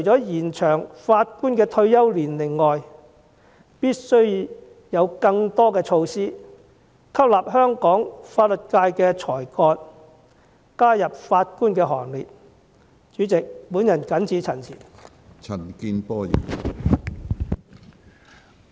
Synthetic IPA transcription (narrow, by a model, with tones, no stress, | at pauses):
t͡ʃʰɵ˨˩jt͡sɔː˨˥jiː˨˩nt͡ʃʰœː˨˩ŋfaː˧t̚kuː˥nkɛː˧t̪ʰɵ˧ɥjɐ˥wliː˨˩nlɪ˨˩ŋːɔː˨j | piː˥t̚sɵ˥ɥ | jɐ˨˧wkɐ˧ŋt̪ɔː˥kɛː˧t͡ʃʰo˧wsiː˥ | kʰɐ˥p̚laː˨˩p̚ɦœː˥ŋkɔː˨˥ŋfaː˧t̚lɵ˨˩t̚kaː˧jkɛː˧t͡sʰɔː˨˩jkɔː˧t | kaː˥jɐ˨p̚faː˧t̚kuː˥nkɛː˧ɦɔ̰ː˨˩ŋliː˨t̚ | t͡ʃyː˨˥t͡sɪ˨k̚puː˨˥njɐ˨˩nkɐ˨˥nt͡sʰiː˨˧t͡sʰɐ˨˩nsʰḭː˨˩n | t͡sʰɐ˨˩nkiː˧npɔː˥jɐ̰˨˩n